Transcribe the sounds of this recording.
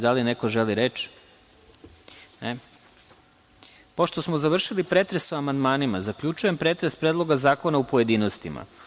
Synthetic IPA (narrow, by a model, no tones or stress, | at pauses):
d̪alinekoʒeliɾet͡ʃ | ne | po̞ʃt̪osmozaʋr̩ʃilipɾet̪ɾesuamand̪maːnimazakʎʲut͡ʃuje̞mpɾe̞ːt̪ɾespɾeːd̪lˠo̞ɡazaːko̞naupoje̞d̪ino̞st̪ima̰